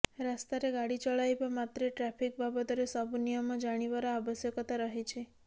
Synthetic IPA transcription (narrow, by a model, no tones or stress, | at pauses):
ɾast̪aɾeɡaɽit͡ʃəɭajbamat̪ɾeʈɾapʰik̚babət̪oɾesəbunijəmãd͡ʒaɽ̃iʋaɾaaʋəsjəkɔt̪aɾəɦet͡ʃʰe